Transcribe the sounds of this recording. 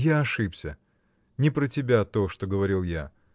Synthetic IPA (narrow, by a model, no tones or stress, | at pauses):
jaɐʂɨpsʲə | nʲɪpɾətʲɪbʲat̪o̞ʂt̪oɡəvɐɾʲilˠja